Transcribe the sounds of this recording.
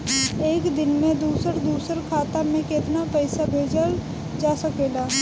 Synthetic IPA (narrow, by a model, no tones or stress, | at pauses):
eːkd̪ɪnmẽd̪uːsəɾd̪uːsəɾkʰaːt̪amẽkeːt̪napəɪsabʱeːd͡ʒəl | d͡ʒaːsəkeːɡaː